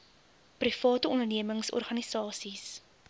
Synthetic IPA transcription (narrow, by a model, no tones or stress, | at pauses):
prifɑːtəɔndərniəməŋsɔ̰rχɐnisɑːsis